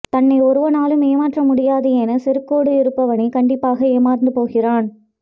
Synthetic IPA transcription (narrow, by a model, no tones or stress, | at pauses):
t̪ɐnːɐɪɔɾɯʋɐnaːlɯmeːmaːʈrɐmʊɽɪjaːðɯjeːnɐsɛɾɯkːoːɽɯɪɾɯpːɐʋɐnikɐɳɖɪpːaːɣɐeːmaːɾnd̪ɯpoːɣɪraːn